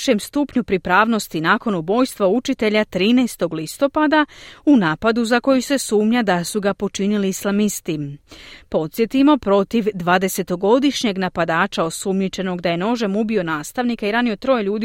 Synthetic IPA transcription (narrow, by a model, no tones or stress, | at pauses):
ʃe̞mst̪uːpɲupɾipɾaːʋno̞st̪inaːko̞nubo̞ːjst̪ʋaut͡ʃit̪e̞ʎat̪ɾiːnɛːst̪o̞ɡlist̪o̞pad̪aunaːpad̪uzako̞jise̞suːmɲad̪asuɡapo̞t͡ʃiniliislamist̪ipo̞t̪sje̞t̪imo̞pɾo̞t̪iʋd̪ʋaːd̪e̞se̞t̪o̞ɡo̞d̪iʃɲe̞ɡnapad̪aːt͡ʃao̞sumɲet͡ʃe̞no̞ɡd̪aje̞no̞ʒe̞mubio̞naːst̪aʋnikaiɾaːniot̪ɾo̞jeʎuːd̪i